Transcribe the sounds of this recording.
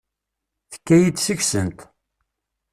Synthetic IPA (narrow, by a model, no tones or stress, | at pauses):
θə̥kːæjid̪səçsənt̪